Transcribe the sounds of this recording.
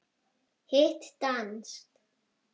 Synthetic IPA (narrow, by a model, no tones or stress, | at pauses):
heht̪t̪anst̪